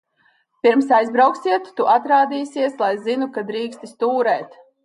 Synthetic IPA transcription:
piɾmsajzbɾawksʲiɛt̪ːuʔat̪ɾaːd̪iːsiɛslˠajzinukad̪ɾiːkst̪ist̪uːɾɛːt̪

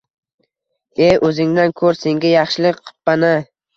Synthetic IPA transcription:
eɵzɪŋd̪ankʰɵɾse̞ŋɡʲajɑχʃɪlɪk̚qʰɨ̥pːana

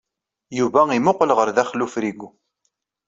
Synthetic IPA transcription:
juvæimʊqəlʁəɾðæχlufɾiɡʷu

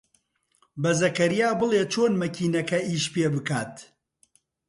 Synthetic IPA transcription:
bɐzɐkɐɾijaːbɨlˠeːt͡ʃʰoːnmɐkʰiːnɐkɐʔiːʃpeːbɨkaːt̪

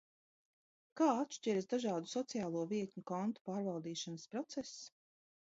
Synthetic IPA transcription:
kaːat̪ʃt͡ʃʲɛɾsd̪aʒɑːd̪usɔt̪sijaːlˠuɔviɛt̪ʲɲukɔnt̪u̥paːɾvalˠd̪iːʃanspɾɔt̪sɛs

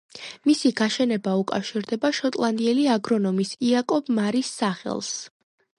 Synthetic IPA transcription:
misiɡaʃɛnɛbaukʼa̰fʃiɾd̪ɛbaʃɔt̪ʼlˠand̪iɛliaɡɾɔnɔmisiakʼɔbmaɾisːaχɛ̰lˠs

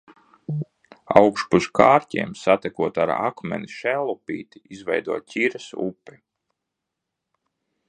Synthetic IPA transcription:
awkʃpuskaːɾtʲḭɛmsat̪ɛkuɔt̪a̰ɾa̰kmɛ̰niʃɛlˠɔpḭːt̪i̥izvɛjd̪uɔt̪cʲiɾɐsṵpːi

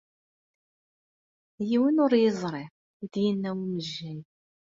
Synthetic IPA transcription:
jiwinʊɾjɪzˤɾˤɪ | id̪jinːæwiməʒːæj

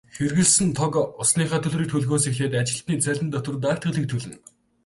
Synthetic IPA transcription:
xerɣɘ̆ɮsɘ̆nt̪ʰɔkʊsniːχaːt̪ʰɵ̆ɮrɾiːk̚t̪ʰɵɮɣoːs̬exeːt̪̬at͡ɕɪ̆ɬt̪niːt͡sæɮʲɘ̆nt̪ɔt̪ə̆rt̪̬aːkt̪ʁə̆ɮiːk̚t̪ʰɵɮɘ̆n

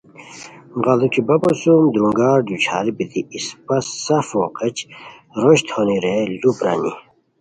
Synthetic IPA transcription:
ʁɐlukʰibɐbosumd̪ɾuŋɡaːɾd̪ut͡ɕʰa̰ːlibit̪iːspɐsɐfoːqet͡ɕɾoɕt̪honiɾelupɾa̰nḭ

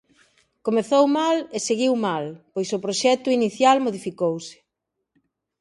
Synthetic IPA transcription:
komeθowmaleseɣiwmalpojsʊpɾoʃɛt̪ʊiniθjalmoðifikowsɪ̥

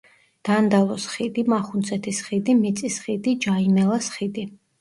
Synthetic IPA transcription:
d̪̥and̪alˠɔsχid̪imaχunt̪sʼʰɛt̪ʰisχid̪imit̪sʼisχid̪id͡ʒaimɛlˠasχid̪i

